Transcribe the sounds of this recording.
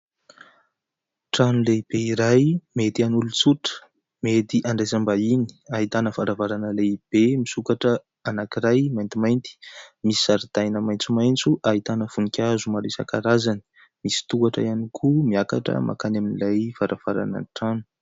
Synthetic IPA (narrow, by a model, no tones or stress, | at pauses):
ʈ͡ʂanuleib̥eiɾajmet̪ianulut͡suʈ͡ʂə̥ | met̪iʔaɳɖ͡ʐajzambaini̥aɦit̪anəvaɾavaɾanəleib̥emisukaʈ͡ʂə | anakiɾajmajnt̪imajnt̪i̥misi̥aɾd̪ajnəmajnt͡sumajnt͡suʔaɦit̪anəv̥unikʲʰazumaɾesa̰kaɾazani̥ | misi̥t̪ukaʈ͡ʂə̰ianikʰumiaka̰ʈ͡ʂə̰mʔa̰kanaminilajv̥aɾʔav̥aɾa̰nə̰ʈ͡ʂanu̥